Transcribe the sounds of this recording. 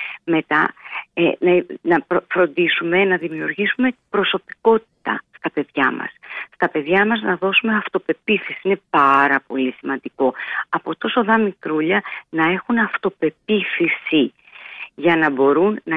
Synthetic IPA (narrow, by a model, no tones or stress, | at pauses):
me̞t̪ɐ | nɐnɐɾfɾo̞nd̪isume̞nɐðimiuɾʝisume̞b̥ɾo̞so̞pi̥ko̞t̪i̥t̪ɐ̰st̪ɐpe̞ðʝɐmɐ̰sst̪ɐpe̞ðʝɐmɐznɐðo̞sume̞ɐft̪o̞pe̞piθisiine̞pɐɾɐpo̞lisimɐnd̪iko̞ɐpo̞t̪o̞so̞ðɐmikɾuʎɐnɐe̞xunɐft̪o̞pe̞piθisi | ʝɐnɐbo̞ɾunːɐ